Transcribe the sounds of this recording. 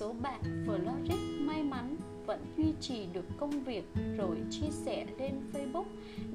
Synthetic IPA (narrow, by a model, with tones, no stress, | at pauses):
o˨˦ɓa̰ː˧˨nvəː˨˩lɔ˧zi˦˥k̚maː˧jma˨˦n | və̰˧˥nzwi˧t͡ɕi˨˩ɗɨ˨˩əkːə˧wŋ͡mvi˨˩ək̚zo˨˩jt͡ɕi˧əsɛ˧˩le˧nfə˧jɓu˦˥k̚